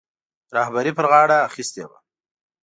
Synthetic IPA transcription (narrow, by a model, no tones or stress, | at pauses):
ɾɑhbaɾipəɾɣɑɽaːxist̪eba̰